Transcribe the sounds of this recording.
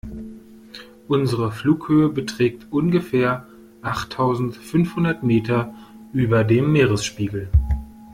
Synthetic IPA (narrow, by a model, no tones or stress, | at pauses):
ʔʊnzəʁəfluːkhøːəbətʁ̥ɛːktʔʊnɡəfɛːɐ | ʔaχtʰːaʊzn̩tfʏnfhʊndɐtmeːtɐ | ʔyːbɐdeːmːeːʁəsʃpiːɡl̩